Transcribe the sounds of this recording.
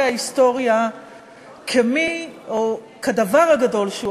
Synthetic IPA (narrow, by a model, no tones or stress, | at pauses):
aist̪o̞ʁja | kʰemio | kad̪avaʁhaɡado̞lʃeu